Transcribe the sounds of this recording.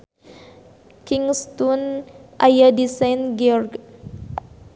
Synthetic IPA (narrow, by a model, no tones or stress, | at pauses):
kiŋst̪unʔajadisajnɡiɔrɡ